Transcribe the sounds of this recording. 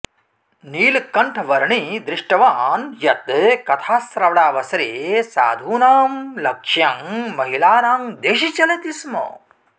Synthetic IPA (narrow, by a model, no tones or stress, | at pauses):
niːlkːɐɳʈʰɐʋɐɾɳid̪ɾɪʂʈɐʋaːnjɐt̪̚ːkɐt̪ʰaːsɾɐʋɐɽaːʋɐsɾeːsa̰ːd̪ʱuːnaːmlɐkʂjɐŋmɐɦilaːɾaːŋd̪eːʃ̬it͡ʃɐlet̪ismo̰ː